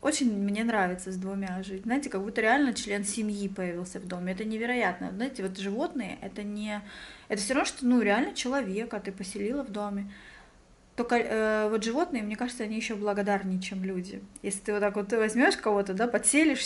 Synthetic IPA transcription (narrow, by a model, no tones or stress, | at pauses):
o̞t͡ɕɪnʲmnʲe̞nɾavʲɪt̪səzʲd̪vʊmʲaʐɨtʲzaɪtʲɪkɐɡbut̪ːəɾʲɪalʲnət͡ɕlʲe̞nsʲɪmʲjipəjɪvʲilˠsʲəvd̪o̞mʲɪɛt̪ənʲɪvʲɪɾɐjat̪̚nə̰znaɪtʲɪvo̞t̪ʐɨvo̞t̪nɨjə̰ʔɛt̪ənʲɪɛt̪əfsʲoɾɐvnʂt̪onuɾʲɪalʲnət͡ɕɪlˠɐvʲe̞kɐt̪ɨpəsʲɪlʲilˠəvd̪o̞mʲɪ | t̪okəəvo̞t̪ʐɨvo̞t̪nɨjəmnʲe̞kaʐɨt̪səɐnʲijɪɕːoblˠəɡɐd̪arnʲɪjt͡ɕemlʲudʲɪ̰jesʲlʲɪ̥t̪ɨvot̪ːakvo̞t̪vɐzʲmʲo̞ʂkɐvo̞t̪əd̪apɐt̪sʲelʲɪʂ